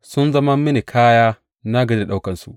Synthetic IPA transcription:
sʊ˦nzɐ˦mɐ˦mːɪ˦ni˨kʰaː˦jaː˦ | na˦ɡɐ˨e˦dɗa˦wkɐ˨nsṵ˨ʔ

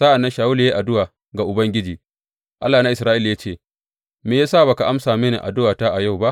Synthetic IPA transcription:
sa˦ʔa˨nːɐ˦nʃaː˨wʊ˦ljeː˦ʔa˨dʊ˦waː˨ | ɡa˨ʔʊ˨bɐ˦ŋɡʲɪ˦d͡ʒiː˨ | ʔa˦lːaː˨na˦ʔɪ˨sɾaː˦ʔɪ˦lja˦t͡ʃeː˦˨ | meː˨jaː˦saː˦˨ba˨ka˨ʔa˦msaː˨meː˦nḛ˨ʔa̰˨dʊ˦waː˨ta˦ʔa˨ja˦˨wba˦ʔ

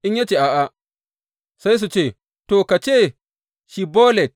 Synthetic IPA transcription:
ʔɪ˦ɲja˦t͡ʃeː˨ʔa˨ʔa˨ | sa˦js̬u˨t͡ʃeː˦˨ | toː˨ka˨t͡ʃeː˦˨ | ʃi˨boː˦lɛ˨t̚

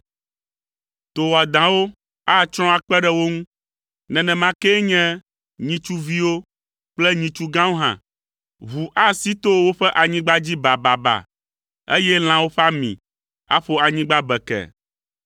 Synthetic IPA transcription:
t̪o˨wa˨d̪ã˨wo˦ | a˦˨t͡ʃɾ̃ɔ̃˦a˨k͡pɛ˦ɖɛ˦wo˦ŋũ˦ | nɛ̃˨nɛ̃˨mã˨kɛ˦ɲɛ̃˦ | ɲĩ˨t͡ʃu˦vi˦wo˦ | k͡plɛ˦ɲĩ˨t͡ʃu˦ɡã˦wo˦ɦã̰˨ | βu˨ʔa˦si˦t̪o˦wo˦ɸɛ˦ʔa˨ɲĩ˦ɡ͡ba˦d͡ʑi˦ba˨ba˨ba̰˨ | ḛ˦jɛ˦l̃ã˨wo˦ɸa˦mḭ̃˨ | a̰˦ɸo˦a˨ɲĩ˦ɡ͡ba˦bɛ˨kɛ̰˨

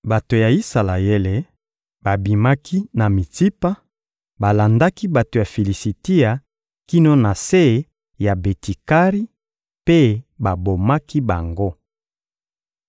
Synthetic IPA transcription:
ba˨to˨ja˨i˦sa˨la˨je˦le˨ | ba˨bi˨ma˦kʰi˦na˨mi˨ti˦pa˦ | ba˨la˨nda˦ki˦ba˨to˨ja˨fe˨li˨si˨ti˦ja˨ | ki˦no˦na˨se˦˨˦ | ja˨be˨ti˨ka˦ʁi˦ | pe˦ba˨bo˨ma˦ki˦ba˨ŋɡo˦

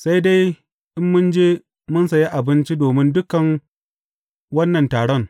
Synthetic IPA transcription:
sa˦jda˦j | ʔɪ˦mːʊ˦nd͡ʒeː˦ | mʊ˦nsɐ˨ji˦ʔa˨bɪ˦nt͡ʃi˦doː˨mɪ˦ndʊ˦kɐ˨ŋ | wɐ˦nːɐ˨ntaː˨ɽɔ˦ŋ

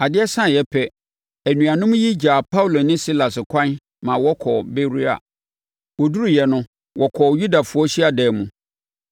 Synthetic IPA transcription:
a˨dɪ˦ɛ˦sã˦˨jɛ˨˦pʰɛ˦ | æ˨nũ˨a˨nʊ̃˦m̃˦ji˦d͡ʑa˨pʰa˦wu˨lo˨nɪ̃˦si˦la˨sɪ˨kʷʰã˦n | mã˨wɔ˦kʰɔ˨be˦ɾi˦a̰˨ | wɔ˨du˦ɾu˨jɛ˨nʊ̃˦ | wʔɔ˨kʰɔ˨ju˦da˨fʊ˨˦ɔ˦ɕi˦a˨dɛː˨mũ˨

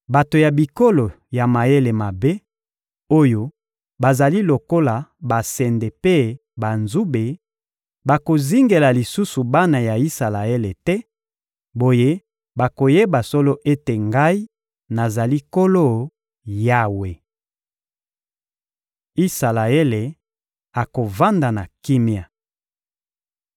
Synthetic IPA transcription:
ba˨to˨ja˨bi˨ko˦lo˨ | ja˨ma˨e˦le˨ma˨be˦ | o˦jo˦ | ba˨za˨li˦lo˨ko˦la˨ba˨sɛ˨nde˨pe˦ | ba˨nzu˦be˨ | ba˨ko˨zi˦ŋɡe˨la˨li˨su˦su˨ba˦na˨ja˨i˦sa˨la˨e˦le˨tɛ˦ | bo˨je˦ | ba˨ko˨je˦ba˨so˦lo˦ʔe˦te˨ŋɡa˦i˦ | na˨za˨li˦ko˦lo˦˨ | ja˦we˨ | i˦sa˨la˨e˦le˨ | a˨ko˨va˦nda˨na˨ki˦mja˨

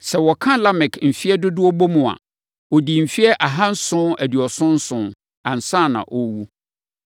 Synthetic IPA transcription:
sɛ˨wɔ˨kʰã˦la˦mɪ̃˨kʰm̩˨fi˦ɛ˦dʊ˦dʊ˦ɔ˦bo˦mũ˨a̰˨ | o˨di˨m̩˨fi˦ɛ˦ʔa˨ɦã˦n̩˦sʊ̃˦æ˨dɥɔ˨sʊ̃˦n̩˦sʊ̃˨ | ã˨n̩˨sã˦˨nã̰˨ʔɔ˦wu˦

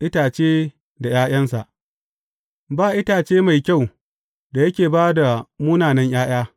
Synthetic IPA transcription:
ʔɪ˦taː˨t͡ʃeː˦ | da˨jaː˦j̰ɐ˦nsa˨ʔ | baː˦˨ʔɪ˦taː˨t͡ʃeː˦ma˨jkʲa˦˨w | da˨jɐ˦kʲeː˨baː˦da˨muː˦naː˨nɐ˦ɲj̰aː˦j̰aː˦

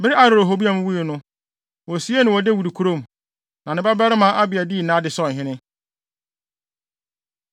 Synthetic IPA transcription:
bɪ˦ɾɪ˦a˨ɾo˨ɾo˨ɦo˨bi˦a˨˦m̃˦wu˦i˨nʊ̃˦ | wɔ˨si˦e˦nɪ̃˨wɔ˨de˦wu˨ɾi˨kʰu˨˦ɾõ˦˨m˨ | nã˨nɪ̃˦ba˦bɛ˦ɾɪ˦mã˦ʔa˦bɪ˨a˨di˦˨nã˦dɪ˨sɔ˦˨ɦɪ̃˦nɪ̃˦

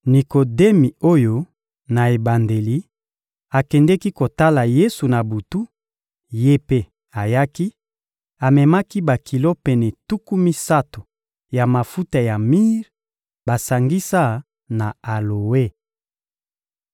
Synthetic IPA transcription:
ni˨ko˨de˦mi˨o˦jo˦ | na˨e˨ba˨nde˨li˦ | a˨kɛ˨ndɛ˦ki˦ko˨ta˦la˨je˦su˨na˨bu˨tu˦ | je˦pe˦ | a˨ja˦ki˦ | a˨mɛ˨ma˦ki˦ba˨kʰi˨lo˦pɛ˨nɛ˨tu˦ku˦mi˦sa˦to̥˨ | ja˨ma˨fu˦ta˨ja˨mi˦ʁ | ba˨sa˨ŋɡi˦sa˦˨ | na˨a˨lo˨we˦˨

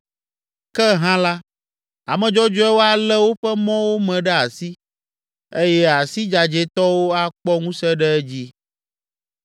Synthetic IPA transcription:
kɛ˦ɦã˦la˦ | a˨mɛ̃˨d͡ʒɔ˦d͡ʒɔ˦ɛ˦wo˦a˨lɛ˦wo˦ɸɛ˦mɔ̃˦wo˦mɛ̃˨ɖɛ˦a˨si˦ | e˦jɛ˦a˨si˦d͡ʒa˨d͡ʒe˨t̪ɔ˦wo˦a˦k͡pɔ˦ŋũ˦sɛ˦ɖɛ˦ɛ˦d͡ʑi˦

